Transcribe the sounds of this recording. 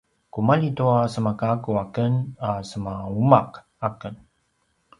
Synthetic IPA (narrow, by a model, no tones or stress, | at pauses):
kumalituasəmakakuakənasəmaumak | akən